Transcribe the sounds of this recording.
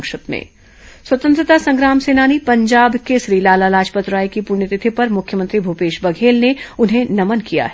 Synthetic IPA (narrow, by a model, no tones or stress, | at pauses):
kʃət̪mḛ̃ː | swɐt̪ə̃nt̪ɾət̪asɐ̃ŋɡɾaːmseːnaːnipɐ̃ɲd͡ʒaːbkesɾiːlaːlalaːd͡ʒpət̪ɾaːjkipuːɾɳjət̪ɪt̪ʰipɐɾmʊkʰjəmə̃nt̪ɾibʱupeːʃbɐɡʱeːlneʊnɦẽnɐmənkija̰ɦ